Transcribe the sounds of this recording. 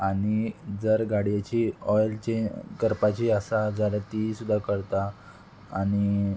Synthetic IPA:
aɽ̃id͡zəɾɡaɽijat͡ɕiɔjlt͡ɕekəɾpat͡ɕiːəsad͡zaɾat̪isud̪ʱːakəɾt̪aː | ɽ̃i

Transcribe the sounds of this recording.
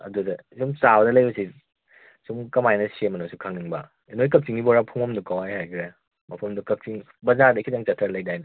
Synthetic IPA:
ɐ̰dudɐsumsawdɐlɐjbɐsi | sumkɐmajnɐsiemɐnusukʰaŋniŋbɐ | inojkɐk̚t͡ʃiŋibɔɾapʰuŋɐmdukawajhajkʰɾe | mɐpʰɐmdukɐk̚t͡ʃiŋ | bɐzadɐkʰidaŋt͡ʃɐtʰɾalɐjdajnɐ

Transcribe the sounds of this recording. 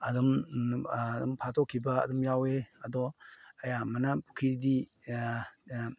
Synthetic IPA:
ɐdum | dumpʰatʰokʰːibɐ̰ːdumjaweɐdɔɐjamɐnɐpukʰiɾdi

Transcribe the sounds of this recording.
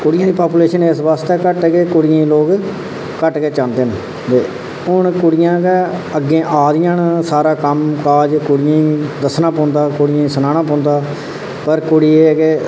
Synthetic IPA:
kʊɽɪjãːd̪iːpaːpuːleːʃəneːsʋaːst̪ɛːkəʈɡeːkʊɽɪjãːiloːɡ | kəʈɡeːt͡ʃãːnd̪eːn | d̪eː | ʊnkʊɽɪjãːkeəɡːẽːʔaːd̪ɪjãːnsaːɾaːkəmkaːd͡ʒkʊɽɪjãːĩd̪əsnãːpɔ̃ːnd̪aːkʊɽɪjãːsənaːñãːpɔ̃ːnd̪aː | pəɾkʊɽiːeːɡeː

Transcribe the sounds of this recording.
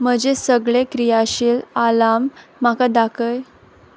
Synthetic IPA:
m̤əd͡ʑesəɡɭekɾijaɕiːlalamːakad̪akʰəj

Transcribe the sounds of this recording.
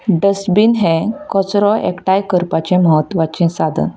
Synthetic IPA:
ɖəsbinɦɛ̃kɔt͡sɾɔʔekʈajkəɾpat͡ɕẽməɦət̪ːʋat͡ɕɛ̃sad̪ʱə̰n

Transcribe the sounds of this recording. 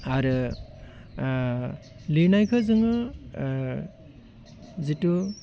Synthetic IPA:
aɾɯ | linajkʰɯzɯŋɯ | zitu

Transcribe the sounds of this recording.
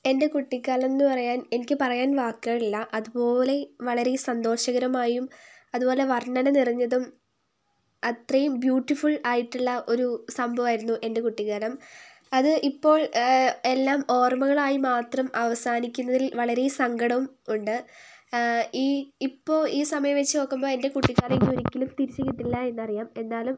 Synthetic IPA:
e̞nde̞kuʈːikːaːlɐmenːɨpɐrɐjaːne̞nikʲːɨpɐrɐjaːnʋaːkːɨɣɐɭilːɐʔɐðubo̞ːle̞ʋɐɭɐɾe̞sɐnd̪o̞ːɕɐɣɐɾɐmaːjum | ɐðupo̞ːle̞ʋɐrɳɐnɐnirɐɲːɐðum | ɐt̪rɐjumbjuːʈːifuɭaːjiʈːuɭːɐʔo̞ɾusɐmbʱɐʋaːjiɾunːuʔe̞nde̞kuʈːikːaːlɐm | ɐðɨʔipːo̞ːɭe̞lːaːmo̞ːrmɐɣɐɭaːjimaːt̪rɐmɐʋɐsaːnikʲːunːɐðilʋɐɭɐɾesɐŋɡɐɽɐʋumuɳɖɨ | iːipːo̞ːiːsɐmɐjɐmʋet͡ɕːɨno̞ːkːumbo̞ːe̞nde̞kuʈːiɣaːleŋɡioɾikʲːilumt̪iɾit͡ɕːiɣʲːiʈːilːɐe̞nːɐrijaːme̞nːaːlum

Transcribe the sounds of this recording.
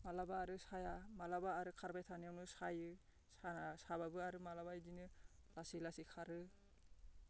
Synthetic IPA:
malabaːɾɯsajamalabaːɾɯkʰaɾbajtʰanijawnɯsajɯ | saasaβabɯaɾɯmalaβajdinɯlasilasikʰaɾɯ

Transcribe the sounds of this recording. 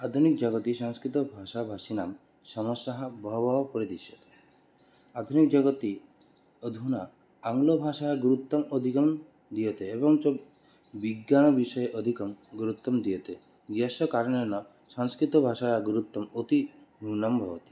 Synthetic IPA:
ad̪ʱunik̚d͡ʒaɡɔt̪isaŋskɾit̪ɔbʱaʃabʱasinam | sɔmɔsaɦabɔɦbaɦɔpɔɾid̪iʃjɔt̪e̥ | ad̪ʱunikd͡ʒɔɡɔt̪i | ɔd̪ʱunaː | ŋlobʱaʃajaɡuɾut̪ːɔmɔd̪ʱikɔm | d̪ijɔt̪ʰeebɔŋt͡ʃɔ | biɡjañɔbiʃɔjeʔɔd̪ʱikɔmɡuɾut̪ːɔmd̪ijet̪ʰe | ɡasɔkaɾɔnenɔ | saŋskɾit̪ɔbʱaʃajaɡuɾut̪ːɔmot̪iɦunɔmbʱɔbɔt̪i̥

